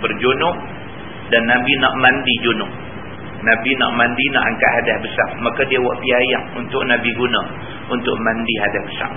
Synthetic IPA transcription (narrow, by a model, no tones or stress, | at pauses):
bərd͡ʒonʊʔ̚ | danːabinaʔmandid͡ʒonʊʔ̚ | nabina̰ʔmandina̰ʔaŋka̰ʔɦadahbəsaʔmakadiawaʔpiajaŋṵnt̪ʊʔnabiɡunã | unt̪ʊʔmandiɦadahbəsa̰ʔ